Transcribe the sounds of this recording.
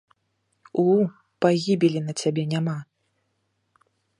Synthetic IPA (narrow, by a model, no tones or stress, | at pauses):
u | paɣʲibʲilʲinɐt͡sʲabʲɛnʲama